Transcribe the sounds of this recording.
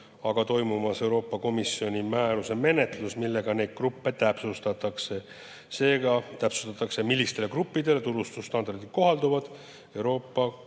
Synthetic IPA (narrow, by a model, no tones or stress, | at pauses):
ɑɡ̥ɑt̪o̞jmumɑse̞wɾo̞ːpːɑko̞misjo̞nʲimæːɾuse̞me̞ne̞t̪lusmilːe̞ɡ̥ɑne̞jd̪̥̚krupːe̞t̪æpsust̪ɑt̪ːˑɑkse̞ | se̞ːɡɑt̪æpsu̥st̪ɑt̪ːˑɑkse̞milːist̪e̞le̞krupːid̪e̞let̪uɾust̪ust̪ɑnd̪ɑrd̪iko̞ɦɑld̪uvɑd̪̥ | e̞wɾo̞ːpːɑ